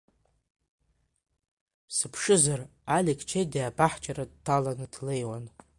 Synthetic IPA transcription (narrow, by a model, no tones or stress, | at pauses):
sɨpʰʂɨzaralekʰʼt͡ʃʰejdiabaħt͡ʃʼaradtʰalanɨdle̞jwan